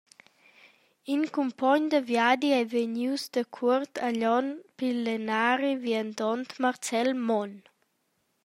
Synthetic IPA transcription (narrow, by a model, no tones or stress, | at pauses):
inkumpɔɲd̪əvjad̪iajveɲiwsd̪əkʰuɾt̪ʰaʎɔnpilːenaːɾivjənd̪ɔnt̪maɾt͡sɛlmɔn